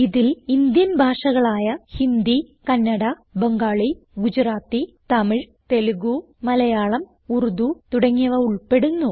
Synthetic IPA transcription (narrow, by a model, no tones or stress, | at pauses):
iðilind̪jɐnbʱaːʂɐɣɐɭaːjɐhind̪ikɐnːɐɽɐ | beŋɡaːɭi | ɡud͡ʑɾaːt̪ːit̪ɐmiɻt̪e̞luɣu | mɐlɐjaːɭɐm | urud̪ut̪uɽɐŋːiɐʋɐuɭpe̞ɽunːu